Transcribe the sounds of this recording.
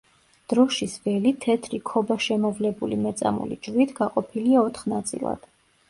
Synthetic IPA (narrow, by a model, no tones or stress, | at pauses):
d̪̥ɾɔʃisvɛlit̪ʰɛt̪ʰɾikʰɔbaʃɛmɔvlɛbulimɛt̪sʼa̰mṵlḭd͡ʒɾit̪ʰɡaqʼɔpʰiliaɔt̪ʰχnat̪sʼḭlˠa̰d̪̥